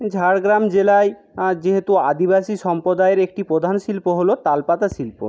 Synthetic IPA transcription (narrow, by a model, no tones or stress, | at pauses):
d͡ʑʱaɾɡɾamd͡ʑelae | d͡ʑeɦet̪uad̪ibaʃiʃɔmpɾod̪aeɾek̚ʈipɾod̪ʱanʃilpoɦolot̪alpat̪aʃilpo̰